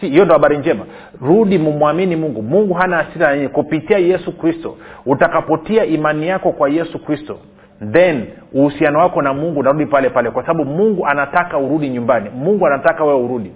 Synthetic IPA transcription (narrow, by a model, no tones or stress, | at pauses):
ihijɔndɔhaɓaɾiɲd͡ʒɛma | ɾuɗimumuaminimuŋɡumuŋɡuɦanaːsiɾaaɲiɲɛkupitiajɛsukɾistɔ̰utakapɔtiaʔimanijakɔkwajɛsukɾistɔ̰ | nðɛn | uhusianɔwakɔnamuŋɡunaɾuɗipalɛpalɛkwasaɓaɓumuŋɡuʔanatakauɾuɗiɲumbanimuŋɡuanatakawɛwɛuɾuɗi